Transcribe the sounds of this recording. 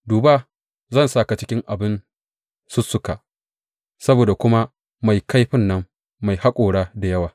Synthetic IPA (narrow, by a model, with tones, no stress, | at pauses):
duː˨baː˦˨ | zɐ˦˨nsaː˦˨ka˨t͡ʃɪ˦kʲɪ˦ŋʔa˨bɪ˦n | sʊ˦sːʊ˦ka˨ | sɐ˦boː˨da˨kʷʊ˦ma˦ | ma˨jka˦jɸɪ˦nːɐ˦mː | a˨jha˦kʷʼoː˨ɽaː˦da˨jɐ˦waː˨